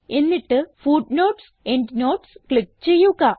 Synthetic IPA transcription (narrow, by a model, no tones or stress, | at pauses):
e̞nːiʈːɨfuːɖno̞ːʈs | eɳɖno̞ːʈskɭikːt͡ɕe̞jːuɣɐ